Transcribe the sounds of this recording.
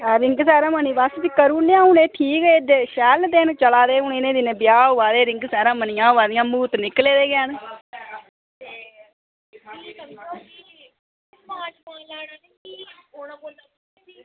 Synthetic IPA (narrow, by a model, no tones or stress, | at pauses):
ɾɪŋɡsɛːɾãːməniːʋast̪ikəɾuːnejãːɦʊneːʈʰiːkeːd̪eʃɛːld̪eːnːt͡ʃəlaːd̪eːɦʊɳenẽːd̪ɪnẽːbɪjaːʊʋaːd̪eːɾɪŋɡsɛːɾãːmənɪjãːʊʋaːd̪ɪjãːmuːt̪nɪkleːd̪eːɡɪaːn